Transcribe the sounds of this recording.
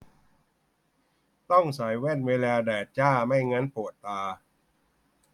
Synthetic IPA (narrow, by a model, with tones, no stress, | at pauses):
t̪ɔ˥˩ŋsa˩˦jwɛ˥˩nweː˧laː˧dɛː˨˩t̪̚t͡ɕaː˥˩ma˥˩jŋa˦˥npʰoː˨˩ət̪ːaː˧